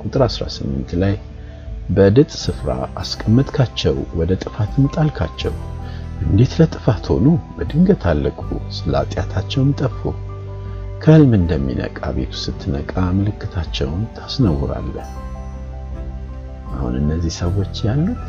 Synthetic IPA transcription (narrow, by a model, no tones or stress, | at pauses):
kʼut̪ʼɨɾasɾa̰sɨmːɨnt̪laj | bəd̪ɨt̪ʼsɨfɾa̰askʼəmːət̪ʼkʰat͡ʃːɛwwɔd̪ət̪ʼɨfat̪ʰɨmt̪ʼalkʰat͡ʃːɛ̰wʔɨnd̪e̞t̪lət̪ʼɨfat̪ho̞̰nubəd̪ɨŋɡət̪ʰalːəkʼṵsɨla̰t̪ʼjat̪ʰat͡ʃːɛwmt̪ʼəfo̰ | kʰəɨlmɨnd̪əmːḭnə̰kʼa̰be̞̰t̪ʰu̥sɨt̪ʰːɨnəkʼamɨlɨkːɨt̪ʰat͡ʃːɛ̰wnt̪ʰḁsnəwːɾa̰lːəh | ʔahṵnɨnːəzːihsəwo̞t͡ʃːjalːu